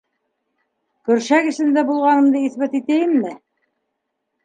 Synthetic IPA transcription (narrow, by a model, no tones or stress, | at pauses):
kɵ̆ɾʃækɘ̆ʃɘ̆nd̪æbulˠʁɑnɤ̆md̪ɤiθbæt̪it̪æjɘmmɘ